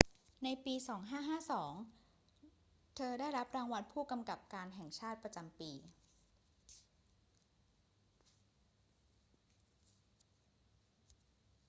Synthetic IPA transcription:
na˧jpiː˧sɔː˩˦ŋɦaː˥˩ɦaː˥˩sɔː˩˦ŋ | t̪ʰɤː˧daː˥˩jɾa˦˥p̚ɾaː˧ŋwa˦˧npʰuː˥˩ka˧mka˨˩p̚kaː˧nɦɛ˨˩ŋt͡ɕʰaː˥˩t̪̚pɾa˧t͡ɕa˧mpiː˧

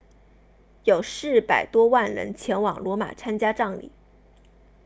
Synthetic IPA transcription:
jo˨˩ʊʂɻ̩˥˩pa˨˩ɪt̪wɔ˥wa˥˩nɻə̰˧˥nt͡ɕʰjɛ˧˥nwɑ˨˩ŋlwɔ˧˥ma̰˨˩t͡sʰa˥nt͡ɕja˥ʈ͡ʂɑ˥˩ŋlḭ˨˩˦

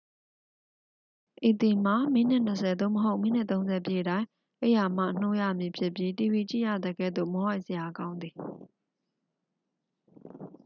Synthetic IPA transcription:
ʔi˨t̪i˨m̥a˨mi˦˨n̥ɪ˦ʔn̥ə˨sʰɛ˨d̪o̰˦˨mə˨ɦo˦ʊʔmi˦˨n̥ɪ˦ʔt̪õ˦ʊ̃nzɛ˨pje˦˨ɾã˦ɪ̃ | ʔe˦˨ja˨m̥a̰˦˨ʔn̥o˦jä̰˦˨mji˨pʰjɪ˦pji˦ti˨bi˨t͡ɕḭ˦˨jä̰˦˨d̪ə˨ɡɛ̰˦˨d̪o̰˦˨mɔ˨˦wa˦ɪʔsəja˨kã˦ʊ̃nd̪i˨

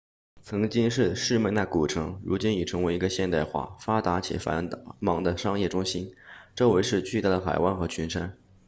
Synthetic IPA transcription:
t͡sʰɤ˧˥ŋt͡ɕi˥ŋʂɻ̩˥˩ʂɻ̩˥˧me˥˧ɪna˥˩ku˨˩ʈ͡ʂʰɤ˧˥ŋɻu˧˥t͡ɕi˥ni˨˩ʈ͡ʂʰɤ˧˥ŋwe˧˥ɪi˧˥ɡə˧ɕjɛ˥˧nt̪a˥˧ɪxwa̰˥˩fa˥t̪a˧˥t͡ɕʰḭ˨˩fa̰˧˥nmɑ˧˥ŋd̪ə˧ʂɑ˥ŋjɛ˥˩ʈ͡ʂʊ˥ŋɕi˥nʈ͡ʂɤ˥˩we˧˥ɪʂɻ̩˥˧t͡ɕy˥˧t̪a˥˩d̪ə˩xa˨˩ɪwa˥˩nxɤ˧˥t͡ɕʰy˧˥nʂa˥n

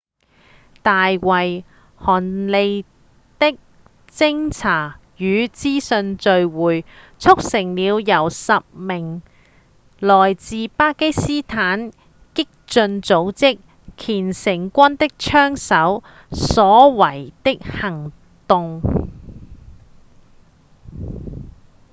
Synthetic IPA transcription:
t̪aː˨jwɐ˨j | hɔː˨˩nle˧j | t̪ɪ˥k̚ | t͡sɪ˥ŋt͡sʰaː˨˩ | jyː˨˧t͡siː˥sɵ˧nt͡ʃɵ˧ɥwuː˨j | t͡sʰʊ˥k̚sɪ˨˩ŋliː˨˧wjɐ˨˩wsɐ˨p̚mɪ˨˩ŋ | lɔː˨˩jt͡siː˨paː˥ke˥jsiː˥t̪ʰaː˨˥n | kɪ˥k̚t͡ʃt͡sɵ˧nt͡so˨˧˥wt͡sɪ˥k̚ | kʰiː˨˩nsɪ˨˩ŋkʷɐ˥nt̪ɪ˥k̚t͡ʃʰœː˥ŋsɐ˨˥w | sɔː˨˥wɐ˨˩jt̪ɪ˥k̚hɐ˨˩ŋ | t̪ʊ˧ŋ

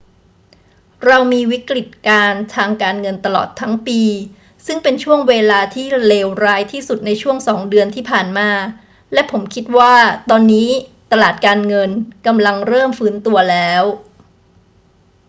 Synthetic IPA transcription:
ɾa˧wmiː˧wi˦˥kɾi˨˩t̪̚kaː˧nt̪ʰaː˧ŋkaː˧nŋɤ˧nt̪a˧lɔ̰ː˨˩t̪ʰːa˦˥ŋpiː˧ | sɯ˥˩ŋpe˧nt͡ɕʰu˥˩əŋweː˧laː˧t̪ʰiː˥˩leː˧wɾaː˦˥jt̪ʰiː˥˩su˨˩t̪̚na˧jt͡ɕʰu˥˩əŋsɔː˩˦ŋdɯ˧ənt̪ʰiː˥˩pʰaː˨˩nmaː˧ | lɛ˦˥ʔpʰo˩˦mkʰi˦˥t̪̚waː˥˩t̪ɔː˧nːiː˦˥t̪a˧laː˨˩t̪̚kaː˧nŋɤ˧nka˧mla˧ŋɾɤː˥˩mfɯː˦˥nt̪u˧ɐlɛː˦˥w

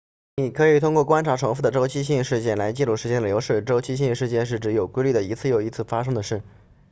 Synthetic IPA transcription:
ni˥˨˩kʰɤ˧˥i˨˩t̪ʰʊ˥ŋkwɔ˥˩kwa˥nʈ͡ʂʰa˧˥ʈ͡ʂʰɤ˧˥ŋfu˥˩d̪ə˩ʈ͡ʂo˥ʊt͡ɕʰi˥ɕi˥˧ŋʂɻ̩˥˧t͡ɕjɛ˥˩nla˧˥ɪt͡ɕi˥˧lu˥˩ʂɻ̩˧˥t͡ɕjɛ˥nd̪ə˨jo˧˥ʊʂɻ̩˥˩ʈ͡ʂo˥ʊt͡ɕʰi˥ɕi˥˧ʂɻ̩˥˧t͡ɕjɛ˥˧nʂ̬ɻ̩˥˩ʈ͡ʂɻ̩˧˥jo˨˩ʊkwe˥ɪly˥˩d̪ə˩i˧˥t͡sʰɹ̩˥˩˧jo˨˩ʊi˧˥t͡sʰɹ̩˥˩fa˥ʂ̬ɤ˥ŋd̪ə˨ʂɻ̩˥˩

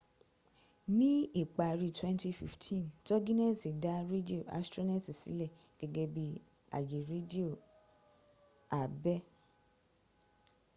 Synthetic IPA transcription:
nĩ˦i˦˨k͡pa˨ɾi˧twɛ̃˦nti˧fḭ˧˨ftʰĩ˦˨ntɔ˦ɡĩ˦nɛ˦˨ti˨da˨˦ɾe˦di˦o˦˨ʔa̰˨˦stɾo˦na˦˨ti˨sḭ˨˦lɛ˦˨ | ɡ̥ɛ˧ɡɛ˧bi˦ | a̰˨je˨ɾe˦di˦o˦˨ | a˨bɛ˦

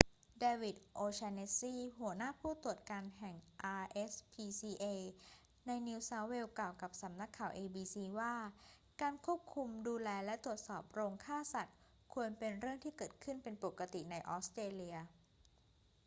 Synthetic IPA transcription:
deː˧wi˨˩t̪̚ʔoː˧t͡ɕʰaː˧ne˦˥siː˥˩ɦu˨˩˦ənaː˥˩pʰuː˥˩t̪u˨˩ət̪̚kaː˧nɦɛ˨˩ŋʔaː˧ʔe˦˥spʰiː˧siː˧ʔe˧ | na˧jniː˧wsa˦˥we˧wklaː˨˩wka˨˩p̚sa˩˦mna˦˥kʰːaː˨˩wʔeː˧biː˧siː˧waː˥˩ | kaː˧nkʰu˥˩əp̚kʰu˧mduː˧lɛː˧lɛ˦˥t̪u˨˩ət̪̚sɔː˨˩p̚ɾoː˧ŋkʰaː˥˩sa˨˩t̪̚ | kʰu˧ənpe˧nɾɯ˥˩əŋt̪ʰiː˥˩kɤː˨˩t̪̚kʰɯ˥˩npe˧npo˨˩ka˧t̪i˨˩na˧jʔɔː˦˥st̪ɾeː˧li˧ɐ

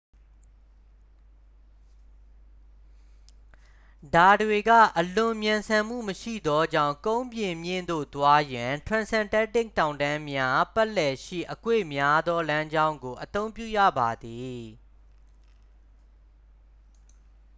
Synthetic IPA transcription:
da˨dwe˨ɡä̰˦˨ʔəlʊ̃˨mjã˨nsʰã˨m̥ṵ˦˨məʃḭ˦˨d̪ɔ˦d͡ʑã̰˦˨ʊ̃kõ˦ʊ̃mbjɪ̃˨mjɪ̰̃˦˨nd̪o̰˦˨t̪wa˦jã˨tʰɹã˨nsɛ̃˨ntɛ˦tɪ˦˨k̚tã˨ʊ̃ndã˦mja˦pa˦lɛ˨ʃḭ˦˨ʔəkwḛ˦˨mja˦d̪ɔ˦lã˦ɲd͡ʑã˦ʊ̃ŋɡo˨ʔət̪õ˦ʊ̃mpjṵ˦˨jä̰˦˨ba˨d̪i˨

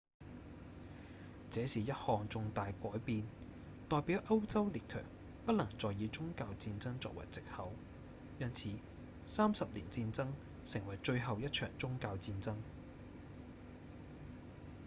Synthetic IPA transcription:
t͡sɛː˨˥siː˨jɐ˥t̚hɔː˨˩ŋt͡sʊ˧ŋt̪aː˨jkʷɔː˨˥jpiː˧n | t̪ɔː˨jpiː˨˥wʔɐ˥wt͡sɐ˥wliː˨t̚kʰœ̰ː˨˩ŋ | pɐ˥t̚lɐ˨˩ŋt͡sɔː˨jiː˨˧t͡sʊ˥ŋkaː˧wt͡siː˧nt͡sɐ˥ŋt͡sɔ̰ː˧k̚wɐ̰˨˩jt͡sɪ˨k̚hɐ˨˥w | jɐ˥nt͡sʰiː˨˥ | saː˥msɐ˨p̚liː˨˩nt͡siː˧nt͡sɐ˥ŋ | sɪ˨˩ŋwɐ˨˩jt͡ʃɵ˧ɥɦɐ˨wjɐ˥t̚t͡ʃʰœː˨˩ŋt͡sʊ˥ŋkaː˧wt͡siː˧nt͡sɐ˥ŋ

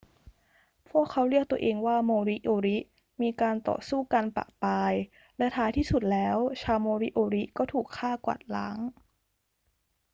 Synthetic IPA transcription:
pʰu˥˩əkʰːa˦˥wɾi˥˩ək̚t̪u˧ɐʔeː˧ŋwaː˥˩moː˧ɾi˦˥ʔoː˧ɾi˦˥ʔ | miː˧kaː˧nt̪ɔ̰ː˨˩suː˥˩ka˧npa̰˨˩ʔpaː˧j | lɛ˦˥t̪ʰaː˦˥jt̪ʰiː˥˩su˨˩t̪̚lɛː˦˥wt͡ɕʰaː˧wmoː˧ɾi˦˥ʔoː˧ɾi˦˥kɔː˥˩t̪ʰuː˨˩kʰːaː˥˩kwa̰˨˩t̪̚la̰ː˦˥ŋ

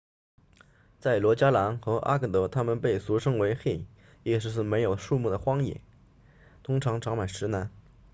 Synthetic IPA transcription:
t͡sa˥˩ɪlwɔ˧˥t͡ɕja˥la˧˥nxɤ˧˥ʔa̰˥kɤ˥˩t̪ɤ˧˥t̪ʰa˥mə˨npe˥˩ɪsu˧˥ʂɤ˥ŋwe˧˥ɪxe˥˩ɪ | jɛ˥˧ʂɻ̩˧˥ʂ̬ɻ̩˥˩me˧˥ɪjo˨˩ʊʂu˥˧mu˥˩d̪ə˩xwɑ˥ŋjɛ̰˨˩˦ | t̪ʰʊ˥ŋʈ͡ʂʰɑ˧˥ŋʈ͡ʂʰɑ˧˥ŋma˨˩ɪʂɻ̩˧˥na˧˥n

